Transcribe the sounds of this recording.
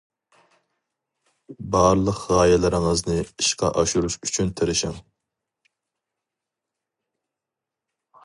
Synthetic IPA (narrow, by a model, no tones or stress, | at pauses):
bɑɾlˠəqʁɑːjɛlɪɾɪŋəznɨiʃqɑ̰ʔɑʃuɾuʃyt͡ʃʰynt̪ʰɪɾɪʃɪŋ